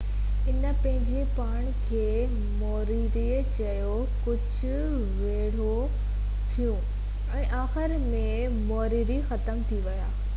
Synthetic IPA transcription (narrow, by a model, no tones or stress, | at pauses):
ɪnə̆pɐ̃ɦɪ̃ɲd͡ʑepaːɽ̃kʰeː | mɔːɾiɾi | t͡ɕɐjo | kʊd͡ʑʱʊ̆ | ʋeːɽ̤o | t̪ʰijũ | ɛ̃ːʔaːxɪɾmẽ | mɔːɾiːɾixɐt̪əmt̪ʰiʋɐja̰ː